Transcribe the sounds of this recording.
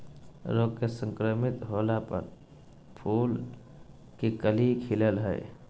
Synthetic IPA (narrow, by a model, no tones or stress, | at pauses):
ɾoːɡkesə̃ŋkɾəmɪt̪ɦoːlapə̰ɾ | pʰuːl | kikəlikʰɪləlɦɛ̰ː